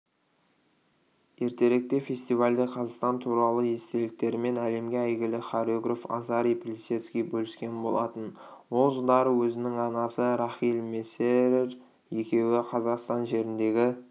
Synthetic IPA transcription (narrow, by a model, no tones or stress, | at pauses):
je̞ɾt̪e̞ɾe̞k̚t̪e̞fʲe̞st̪ijvalʲd̪eqʰɑzɑqst̪ɑnt̪ʰuɾɑlˠəje̞st̪e̞lɪk̚t̪e̞ɾɪme̞næle̞mɡʲeæjɡʲɪlɪχɑɾʲoɡrofɑ̰zɑɾijplʲisʲet̪skʲijbɵlɪskʲe̞nbo̞lˠɑ̰t̪ən | wo̞lˠʒəlˠd̪ɑɾəwɵzɪnɪŋɑnɑsəɾɑχijlmeseɾɾ | je̞kʲe̞wɪqʰɑzɑqst̪ɑnʒe̞ɾɪnd̪e̞ɡʲɪ